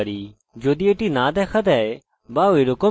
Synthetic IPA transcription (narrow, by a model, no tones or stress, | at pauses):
ɾi | d͡ʒoːd̪ieʈinãːd̪ɛkʰɐt̪ɛ | baːiɾoko